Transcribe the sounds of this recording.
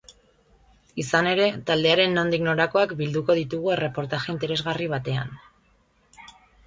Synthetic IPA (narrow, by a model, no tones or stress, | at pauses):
isane̞ɾe̞t̪ald̪e̞aɾe̞nːo̞nd̪ikno̞ɾako̞akbild̪uko̞ðit̪uɣ̞ue̞re̞po̞ɾt̪aʝe̞int̪e̞ɾe̞zɣariβ̞at̪e̞a̰n